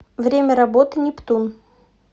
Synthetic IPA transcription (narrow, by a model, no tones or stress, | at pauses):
vɾʲemʲəɾɐbot̪ɨnʲɪpt̪un